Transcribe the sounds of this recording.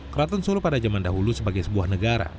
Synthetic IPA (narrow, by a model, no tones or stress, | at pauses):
kəɾat̪ɔnsulupadad͡ʒamandaɦulusəbaɡajsəbuahnəɡaɾa̰